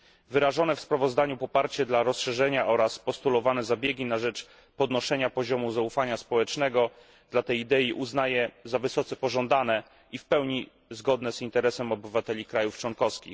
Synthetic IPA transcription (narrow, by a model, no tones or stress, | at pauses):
vɘɾaʐɔnɛfspɾavɔzd̪aɲupɔpaɾt͡ɕɛd̪laɾɔsʂɛʐɛɲaʔɔɾaspɔst̪ulɔvanɛzabʲjeɡʲinaʐɛt͡ʂ | pɔd̪nɔʂɛɲapɔʑɔmuzaufaɲaspɔwɛt͡ʂnɛɡɔ | d̪lat̪ɛjd̪ɛiʔuznajɛzavɘsɔt̪sɛpɔʐɔnd̪anɛ | ifpɛwɲi | zɡɔd̪nɛzint̪ɛɾɛsɛmɔbɘvat̪ɛlʲikɾajuft͡ʂwɔŋkɔfskʲḭx